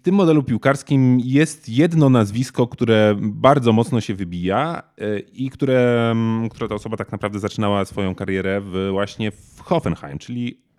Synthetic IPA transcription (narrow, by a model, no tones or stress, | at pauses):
ft̪ɘmːɔd̪ɛlupʲiwkaɾskʲimjɛst̪jɛd̪nɔnazvʲiskɔkt̪uɾɛbaɾd̪zɔmɔt̪snɔɕɛvɘbʲija | ikt̪uɾɛk̚t̪uɾat̪aɔsɔbat̪aknapɾavd̪ɛzat͡ʂɘnawasfɔjɔ̃w̃kaɾjɛɾɛvvwaɕɲɛfxɔfɛnxa̰jmt͡ʂɘlʲi